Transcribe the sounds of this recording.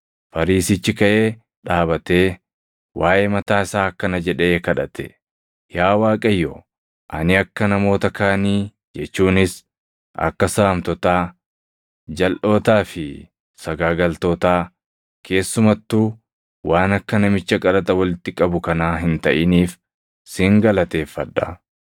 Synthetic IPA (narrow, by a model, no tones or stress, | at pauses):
fɐɾiːsɪt͡ʃːɪkɐʔe̞ː | ᶑaːbɐt̪eː | waːʔeːmɐt̪aːɪsaːkːɐnɐd͡ʒɛᶑɛeːkɐᶑɐt̪ʰɛ̥ | jaːwaːkʼɐjːo | ʔɐ̰nɪɐkːɐnɐmo̞ːt̪ɐkaːniː | d͡ʒɛt͡ʃːuːnɪs | ʔɐ̰kːɐsaːmt̪ɔt̪aː | d͡ʒɐlʔo̞ːt̪aːfɪ | sɐɡaːɡɐlt̪oːt̪aː | kʰe̞ːsːʊmɐt̪ːuː | waːnɐkːɐnɐmɪt͡ʃːɐkʼɐlɐt̪ʼɐwɐlɪt̪ːɪkʼɐbʊkɐnaːɦɪnt̪ɐʔɪniːf | sɪŋɡɐlɐt̪e̞ːfːɐᶑːɐ